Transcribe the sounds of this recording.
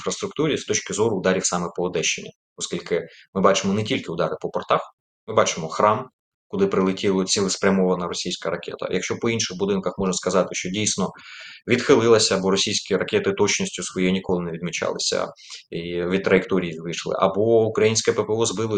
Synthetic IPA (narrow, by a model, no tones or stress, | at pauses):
nfɾɐst̪ɾʊkt̪uɾʲist̪ɔt͡ʃkɪzɔɾʊːd̪ɑɾʲiwsɑmɛpɔːd̪ɛʃt͡ʃːḛnʲːɐ | ɔskʲilʲkɪmɪbɑt͡ʃɪmɔnetʲilʲkɪʊd̪ɑɾɪpɔpɔrt̪ɑx | mɪbɑt͡ʃɪmɔxɾɑm | kʊlˠɪpɾɪlˠɪtʲilˠɔt͡sʲilˠɪspɾʲɐmɔʋɐnɐɾɔsʲijsʲkɐɾɐkʲɛ̰t̪ɐ̰jʔɐ̰kʃʲt͡ʃɔpɔinʃɪxbʊd̪ɪnkɐxmɔʒnɐskɐzɑt̪ɪʃt͡ʃɔdʲijsʲnɔʋʲid̪xɪlˠɪlˠɐsʲɐːbɔɾɔsʲijsʲkʲiɾɐkʲɛt̪ɪt̪ɔt͡ʃnɔsʲtʲʊsʋɔjɛjinʲikɔlˠɪneʋʲid̪mʲit͡ʃɑ̰lˠɪ̰sʲɐ̰ | iʋʲid̪̚t̪ɾɐjɪkt̪ɔɾʲijiʋɪʃlˠɪ̰ʔɐ̰bɔukɾɐjinʲsʲkɛpɛpɛɔzbɪlˠɪ